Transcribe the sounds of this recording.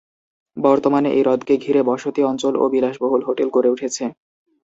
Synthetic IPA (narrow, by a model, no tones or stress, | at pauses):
bɔɾt̪omaneʔejɾɔd̪keɡʱiɾebɔʃot̪iɔnt͡ɕolo̰bilaʃboɦolɦoʈelkoɾeuʈʰet͡ɕʰe